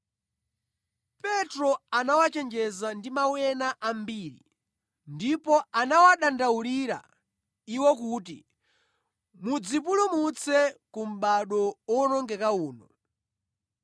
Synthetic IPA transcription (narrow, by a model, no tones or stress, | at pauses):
pɛtɾɔanawat͡ʃɛnd͡ʒɛzandimawɛnaʔambiːɾḭ | ndipɔanawaɗandauliɾa̰ | iwɔkuːti | mud͡zip̬ulumut͡sʰɛkum̩ɓaɗɔwɔnɔŋɡɛkauːnɔ